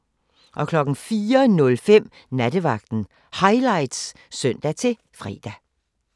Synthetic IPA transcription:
ʔɒ̽kʰlɒ̽ɡ̥n̩fiːɐnɔ̽lfem̰ | næd̥əʋɑ̈ɡ̥̚d̥n̩ | hɑ̈ɪlɑ̈ɪd̥s | sœn̰d̥æt͡sʰe̝ | fʁɛ̰ːd̥æ

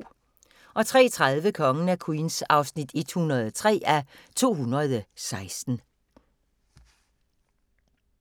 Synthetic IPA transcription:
ʔɒ̽t͡sʰʁɛ̰ːt͡sʰʁaðˠʋəkʰɒ̽ŋən̩ækʰuinsɑ̈ʊsnid̥e̝d̥hunɐð̞ˠt͡sʰʁɛ̰ːæ | t͡sʰo̝̰ːɦunɐð̞ˠsɑ̈ɪsd̥n̩

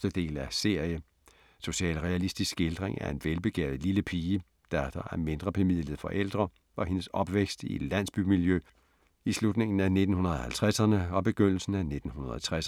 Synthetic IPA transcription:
d̥əd̥e̝̰ːlæse̝ɐ̰jə | so̝ɕɛ̰ːlʁɛælisd̥isɡ̥e̝ld̥ʁeŋæɐe̝nʋelb̥e̝ɡ̥ɛ̰ːð̩ˠliləpʰiːə | d̥æd̥ɑʔæɐme̝nd̥ʁɐpʰemið̞̰ˠlið̩ˠfɒ̽ʔel̰d̥ʁɐ | ɒ̽he̝nəsɒ̽b̥ʋeɡ̥sd̥ḭ̥læn̰sb̥ymiljø | islud̥ne̝ŋn̩æne̝d̥n̩hunɐðˠɒ̽hælt͡sʰʁasɐnəɒ̽b̥e̝ɡ̥øn̰l̩sn̩æne̝d̥n̩hunɐðˠɒt͡sʰʁas

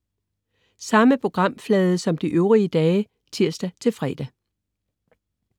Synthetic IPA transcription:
sɑ̈məpʰo̝ɡ̥ʁɑ̈m̰flɛːð̞ˠəsɒ̽md̥iʔøʊʁiəd̥ɛː | t͡sʰiɐ̰sd̥æt͡sʰe̝lfʁɛ̰ːd̥æ

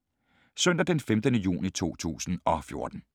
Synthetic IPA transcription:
sœn̰d̥ɐd̥enfemd̥ənəjṵːnit͡sʰo̝̰ːt͡sʰṵːsn̩ɒ̽fjo̝ɐd̥n̩

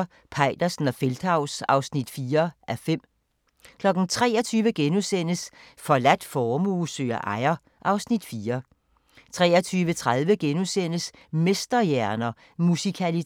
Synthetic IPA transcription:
pʰɑ̈ɪd̥ɐsn̩ɒ̽feld̥hɑ̈ʊsɑ̈ʊsnid̥fiːɐʔæfem̰ | kʰlɒ̽ɡ̥n̩t͡sʰʁɛ̰ːɐt͡sʰyːʋəɡ̥enusen̰əs | fɒ̽læd̥fɒːmuːsø̰ːɐʔɑ̈ɪɐ | ʔɑ̈ʊsnid̥fiːɐ | t͡sʰʁɛ̰ːɐt͡sʰyːʋət͡sʰʁað̞ˠʋəɡ̥enusen̰əs | mesd̥ɐjæɐnɐ | musikʰæli

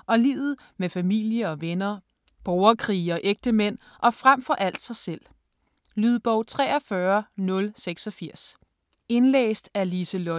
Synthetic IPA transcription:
ʔɒ̽lḭːʊð̞̩ˠ | mefæmil̰jəɒ̽ʋenɐ | b̥ɒʊɐkʰʁḭːɒ̽ʔeɡ̥̚d̥əmen̰ | ʔɒ̽fʁam̰fɒ̽ʔæl̰d̥sɑ̈ɪsel̰ | lyð̞ˠb̥ɒʊt͡sʰʁɛ̰ːɐfɶɐnɔ̽lseɡ̥sɒ̽fiɐ̰s | e̝nlḛːsd̥æɐlisəlɔ

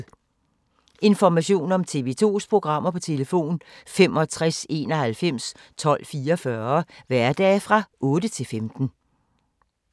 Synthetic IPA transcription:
e̝nfɒmæɕo̝̰ːnɒ̽mt͡sʰe̝ːʋe̝ːt͡sʰo̝̰ːspʰʁo̝ɡ̥ʁɑ̈m̰ɐpʰɒ̽t͡sʰe̝ləfo̝̰ːnfemɒ̽t͡sʰʁase̝ːnɒ̽hælfem̰s | t͡sʰɒ̽l̰fiːɐɒfɶɐʋæɐd̥ɛ̰ːfʁɑ̈ʔɔ̽ːdət͡sʰe̝lfemd̥n̩

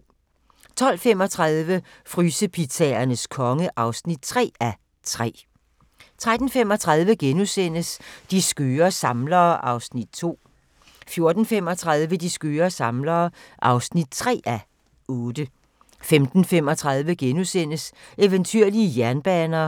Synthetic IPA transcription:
t͡sʰɒ̽l̰fem̰ɒ̽t͡sʰʁɑðˠʋə | fʁyːsəpʰit͡sʰɛɐnəskʰɒ̽ŋəʔɑ̈ʊsnid̥̚t͡sʰʁɛ̰ːæ | t͡sʰʁɛ̰ː | t͡sʰʁad̥n̩femɒ̽t͡sʰʁɑ̈ðˠʋəɡ̥enusen̰əsd̥isɡ̥øːɐsɑ̈mlɐːʔɑ̈ʊsnid̥̚t͡sʰo̝̰ː | fjo̝ɐd̥n̩fem̰ɒ̽t͡sʰʁaðˠʋəd̥isɡ̥øːɐsɑ̈mlɐːʔɑ̈ʊsnid̥̚t͡sʰʁɛ̰ːʔæ | ɔ̽ːd̥ə | femd̥n̩fem̰ɒ̽t͡sʰʁɑð̞ˠʋəɡ̥enusen̰əseʋənt͡sʰyɐliəjæɐnb̥ɛːnɐː

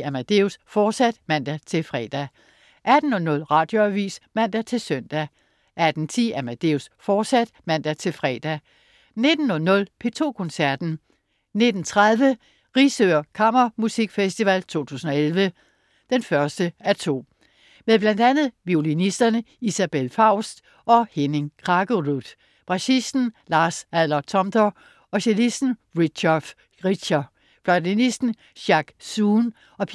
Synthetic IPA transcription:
æmæd̥e̝usfɒːd̥sæd̥mæn̰d̥æt͡sʰe̝fʁɛ̰d̥æ | ʔæd̥n̩ɒ̽nɔ̽lʁɑ̈ːd̥jo̝æʋḭːsmæn̰d̥æt͡sʰe̝lsøn̰d̥æ | ʔæd̥n̩t͡sʰḭːæmæd̥e̝usfɒ̥ːsæd̥mæn̰d̥æt͡sʰe̝lfʁɛd̥æ | ne̝d̥n̩ɒ̽nɔ̽lpʰe̝t͡sʰo̝̰ːkʰɔ̽nsæɐd̥n̩ | ne̝d̥n̩t͡sʰʁað̞ˠʋə | ʁisøɐkʰɑ̈mɐmusiɡ̥fesd̥iʋælt͡sʰo̝̰ːt͡sʰṵːsn̩ɒ̽elʋə | d̥enfɶɐsd̥əæɐt͡sʰo̝̰ː | meðˠb̥lænd̥ænð̞̩ˠʋio̝linisd̥ɐnəisæb̥elfɑ̈ʊ̰sd̥ | ʔɒ̽heneŋkʰʁɑɡ̥oʁud̥ | b̥ʁɑ̈ɕisd̥n̩lɑ̈ːsæðˠlɐt͡sʰɒ̽md̥ɒ | ɒ̽ɕelisd̥n̩ʁi̥ɕf | ʁi̥ɕɑ | flɒdinisd̥n̩ | ɕɑ̈ɡ̥suːn | ɒ̽pʰ

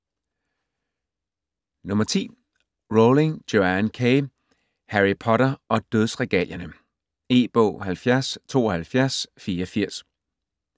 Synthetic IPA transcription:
nɔ̽mɐt͡sʰḭː | ʁoleŋ̥o̝ænkʰe | hæʁipʰɒ̽ɾɐʔɒ̽d̥øðˠsʁɛɡ̥ɛ̰ljɐnə | e̝̰ːb̥ɔ̰̽ːɦælfjæɐst͡sʰo̝̰ːɒ̽hælfjæɐsfiːɐɒfiɐ̰s

